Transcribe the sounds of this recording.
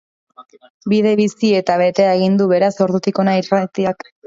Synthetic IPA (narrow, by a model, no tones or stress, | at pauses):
biðe̞βisie̞t̪aβe̞t̪e̞aeɣ̞ind̪uβe̞ɾaso̞ɾðut̪iko̞nairat̪iak